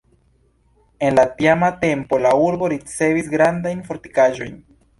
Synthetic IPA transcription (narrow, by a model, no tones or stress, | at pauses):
e̞nlatiamate̞mpo̞lauɾbo̞ɾit͡se̞visɡɾandajnfo̞ɾti̥kaʒo̞̰jn